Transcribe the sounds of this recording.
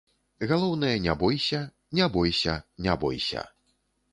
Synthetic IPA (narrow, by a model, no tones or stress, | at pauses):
ɣalˠɔwnɨjɐnʲabɔjsʲɐ | nʲabɔjsʲɐnʲabɔ̰jsʲɐ̰